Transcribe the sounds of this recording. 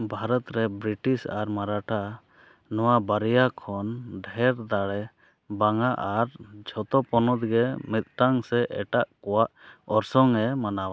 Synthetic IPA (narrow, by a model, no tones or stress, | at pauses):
bʱaɾɔt̪ɾɛbɾiʈisaɾmaɾaʈʰa | nɔwabaɾijakʰɔnɖʱɛɾd̪aɽɛ | baŋaʔaɾd͡ʒʱɔt̪ɔpɔnɔt̪ɡɛmit̪̚ˀʈaŋsɛʔɛ̰ʈaʔkɔwaʔɔɾsɔŋɛmanawa